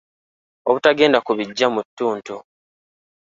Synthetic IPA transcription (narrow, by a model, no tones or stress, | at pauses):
oβutaɡe̞ːndakuβiɟːamutːuːntu